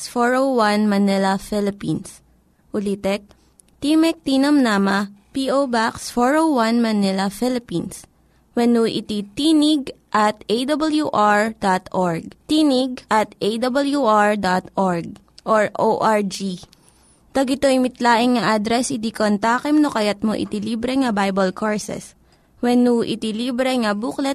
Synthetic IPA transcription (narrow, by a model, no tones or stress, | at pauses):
sfoɹowanmɐnɛlɐfɛlɪpins | ʔʊlit̪ɛk̚ | t̪imɛk̚t̪inɐmnamɐpiʔobaksfoɹowwɐnmɐnɛlɐfɛlɪpins | wɛnuʔɪ̰t̪it̪inɪɡ̚ʔɐt̪̚ejd̪ɐbɐljuʔaɹd̪at̪ʔoɹɡ̚t̪iːnɪɡ̚ʔɐt̪ʔejd̪ɐbɐljuʔaɹd̪at̪ʔoɹɡ̚ | ʔoɹʔoʔaɹd͡ʒi | t̪ɐɡɪt̪oɪmɪt̪laːʔɪŋŋɐʔad̪ɾɛsɪd̪ikont̪aːkɛmnokɐjat̪̚moʔɪ̰t̪iliːbɾɛŋɐbajbɐlkoɹsɛ̰s | wɛnuʔɪ̰t̪ilibɾɛŋɐbuklɛ